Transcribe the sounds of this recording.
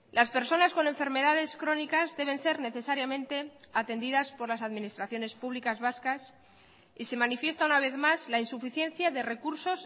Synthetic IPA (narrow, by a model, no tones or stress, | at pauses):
laspe̞ɾso̞nasko̞ne̞ɱfe̞ɾme̞ðaðe̞skɾo̞nikazðe̞β̞e̞nse̞ɾne̞θe̞saɾjamẽ̞nt̪e̞at̪e̞nd̪iðaspo̞ɾlasaðminist̪ɾaθjo̞nespuβlikazβaskas | ise̞manifje̞st̪aunaβ̞e̞θmazlainsufiθje̞n̟θjaðe̞re̞kuɾso̞s